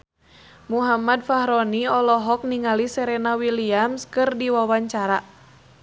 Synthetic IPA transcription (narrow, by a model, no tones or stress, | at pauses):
muɦamad̚fahɾɔniɔlɔɦɔk̚niŋalisɛɾɛnawiliamskɨrdiwawaɲt͡ʃaɾa